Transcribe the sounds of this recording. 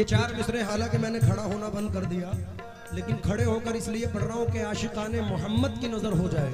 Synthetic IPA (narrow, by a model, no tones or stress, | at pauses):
jet͡ʃaːɾd̪uːsɾeɦaːlãːkemɛ̃ːnekʰɐɽaɦoːnabɐ̃nd̪̚kɐɾd̪ijaː | leːkɪnkʰɐɽeɦoːkəɾɪsliepɐɽɾaːõkeaːʃɪqaːnemʊɦəmːəd̪kinɐzəɾɦod͡ʒaːḛː